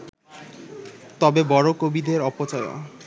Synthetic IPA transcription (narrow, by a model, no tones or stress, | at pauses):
t̪ɔbebɔɾokobid̪eɾɔpot͡ɕɔjo̰